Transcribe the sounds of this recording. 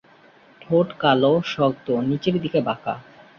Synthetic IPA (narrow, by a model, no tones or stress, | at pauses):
ʈʰoʈkaloʃɔɡt̪onit͡ɕeɾd̪ikebaka̰